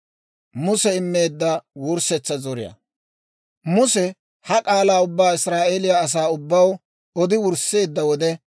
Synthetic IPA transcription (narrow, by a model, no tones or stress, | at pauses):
mʊsɛɪmːe̞ːd̪ːɐwʊɾsɛt͡sːɐzɔɾɪjɐ̰ | mʊsɛ | hɐkʼaːlaːʊbːaːɪsɾaːʔeːlɪjaːs̬aːʊbːɐw | ɔd̪ɪwʊɾse̞ːd̪ːɐwɔd̪ɛ